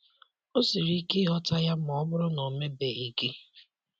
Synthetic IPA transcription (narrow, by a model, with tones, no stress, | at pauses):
o˦si˨ɾi˦ke˦ɦɔ˦ta˦ja˦m˨ɔ˨ɔ˦bʊ˦ɾʊ˦nɔ˨me˦be˨i˨ɡe˦